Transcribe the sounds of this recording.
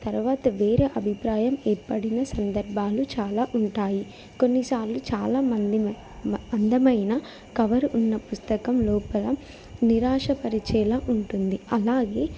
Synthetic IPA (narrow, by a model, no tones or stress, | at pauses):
t̪ɐɾuʋaːt̪ɐʋe̞ːɾeːʔɐbʱipɾaːjɐmeːɾpɐɽinɐsɐnd̪ɐɾbʱaːlut͡ʃaːlaːʔuɳʈaːji | ko̞nːisaːɾlut͡ʃaːlaːmɐnd̪i | ɐnd̪ɐmɐjnɐ | kɐʋɐɾuʔunːɐpust̪ɐkɐmlɔːpɐlɐ | niɾaːʂɐpɐɾit͡ʃɛːlaːʔuɳʈund̪iɐlaːɡe̞ː